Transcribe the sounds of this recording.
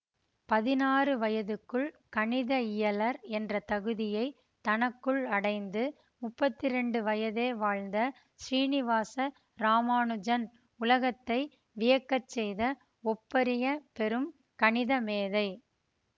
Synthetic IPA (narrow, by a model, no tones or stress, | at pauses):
pɐðɪnaːrɯʋɐjɐðɯkːɯɭ | kɐɳɪðɐɪjɐlɐɾɛndrɐt̪ɐɣɯðɪjɐɪ | t̪ɐnɐkːɯɭɐɽɐɪnd̪ɯ | mʊpːɐt̪ːɪɾɛɳɖɯʋɐjɐðeːʋaːɻnd̪ɐ | ʃɾiːnɪʋaːsɐ | ɾaːmaːnɯd͡ʒɐn | ʊlɐɣɐt̪ːɐɪ | ʋɪjɐkːɐt͡ʃːɛjðɐ | ɔpːɐɾɪjɐpɛɾɯm | kɐɳɪðɐmeːðɐɪ